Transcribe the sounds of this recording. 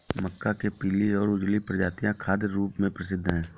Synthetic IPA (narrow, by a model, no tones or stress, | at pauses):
məkːakepiːliɔːɾʊd͡ʒlipɾəd͡ʒaːt̪ijãkʰaːd̪jɾuːpmẽpɾəsɪd̪ʱːɦɛ̃ː